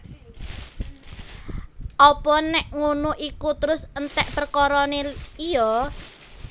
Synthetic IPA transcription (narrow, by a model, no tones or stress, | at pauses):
ʔɔpɔnɛʔŋunuʔikut̪əɾʊsənt̪ɛʔpərkɔɾɔneijɔ